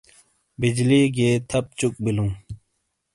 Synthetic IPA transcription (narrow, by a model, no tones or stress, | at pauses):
bid͡ʑliɡet̪ʰap̚t͡ɕuk̚biluŋ